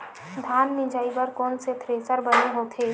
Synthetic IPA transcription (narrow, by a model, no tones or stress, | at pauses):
d̪ʱaːnːɪd͡ʒaːibɐɾkɔːnset̪ʰɾeːsəɾbəneɦoːt̪ʰeː